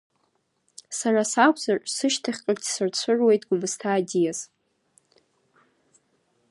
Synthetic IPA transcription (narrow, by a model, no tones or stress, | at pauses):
sarasakʷʰʼzarʼsɨʃtʰaχʲqʼaɡtʰʼsɨrt͡ɕʷʰɨrwe̞jtʼɡ̥ʷʊmɨstʰaːdijaz